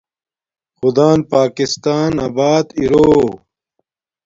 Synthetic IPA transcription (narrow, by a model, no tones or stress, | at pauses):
xʊd̪aːnpaːkist̪aːnabaːd̪iɾoː